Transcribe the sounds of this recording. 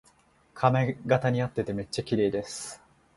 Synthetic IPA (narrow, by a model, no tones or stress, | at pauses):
kʰameɡat̪aɲ̟iat̪ːe̞t̪e̞me̞t͡ɕːakʲiɾe̞ːd̪e̞sɨ̥